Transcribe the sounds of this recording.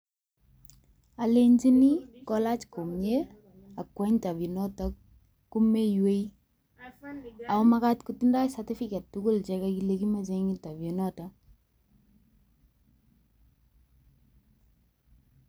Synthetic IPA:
a˨le˦ɲd͡ʒi˦ni˦kɔla˦t͡ʃko˨mɲe˦ | a˨kːwɛ˦ɲta˨vi˨nɔ˦tak̚ | ku˦me˦jwe˦i | a˨ɔma˦katkutinda˦sa˨ti˦fikɛ˨ttukʊ˦lt͡ʃɛkakile˨ki˦ma˨t͡ʃeŋi˦ta˨vji˨nɔta

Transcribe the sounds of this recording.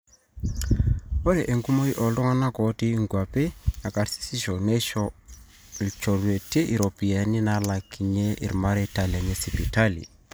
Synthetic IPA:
ɔ˦ɾɛ˨ʔe˨ŋɡu˦mo˦i˦ʔɔ˨lɔ˦ŋa˦na˦kɔ˨ti˦ŋɡwa˨pe˦a˨ka˨ɾsi̥˦si˦ʃɔ˨nɛ˦ʃɔ˦˨ | lt͡ʃɔ˨ɾu˨e˨te˦ʔi˨ɾɔ˨pi˨a˨ni˦na˦la˨ki˨ɲe˦ʔḭ˨ɾma˦ɾɛ˦ta˨lia˨ɲɛ˦si˨pi˨ta˦lḭ˨

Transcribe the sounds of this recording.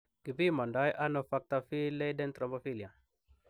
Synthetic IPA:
ɡ̥i˨vi˦ma˨nda˦jʔa˦no˦fa˦k̚t̪a˦fi˦le˦dɛ˦nt̪ɾa˨mbo˦fi˦li˨a˨

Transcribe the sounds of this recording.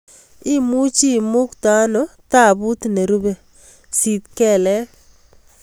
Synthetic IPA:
ɪ˦mu˦t͡ʃi˦mʊ˦kt̪a˦nɔ˨t̪a˦˨bu˦t̪ne˨ɾu˦be˨ | si˨t̪kɛ˦˨lɛ˦

